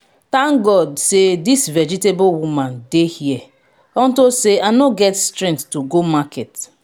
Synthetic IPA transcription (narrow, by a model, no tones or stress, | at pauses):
tãŋɡɔdsedisvɛd͡ʒitebolwumãndehiɛ | ɔn̩toseanoɡɛtstɾɛ̃ŋkttuɡomakɛt